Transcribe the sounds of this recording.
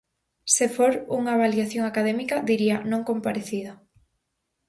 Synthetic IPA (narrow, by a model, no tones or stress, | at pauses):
sefoɾuŋaβaljaθjoŋakaðɛmikɐðiɾianõŋkompaɾeθið̞ɐ